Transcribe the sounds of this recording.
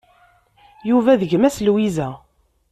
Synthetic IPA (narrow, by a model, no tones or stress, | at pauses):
juvæðəʝmæslwizæ